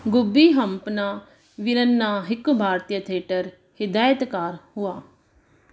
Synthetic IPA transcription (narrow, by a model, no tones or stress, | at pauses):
ɡʊbiːɦəmpnaː | ʋɪɾənːaːɦɪkbʱaːɾt̪ijət̪ʰeːʈəɾ | hɪd̪aːjət̪kaːɾhʊaː